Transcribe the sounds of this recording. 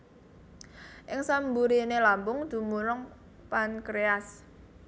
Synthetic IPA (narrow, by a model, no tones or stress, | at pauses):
ʔɪŋsambuɾinelambʊŋd̪̥ṳmuɾʊŋ | pankɾeas